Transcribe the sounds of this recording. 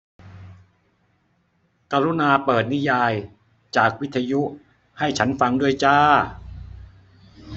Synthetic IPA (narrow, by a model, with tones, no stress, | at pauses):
kaː˧ɾu˦˥naː˧pɤː˨˩t̪̚ni˦˥jaː˧j | t͡ɕaː˨˩k̚wi˦˥t̪ʰːa˧ju˦˥ | ha˥˩jt͡ɕʰa˦˥nfa˧ŋdu˥˩əjt͡ɕaː˥˩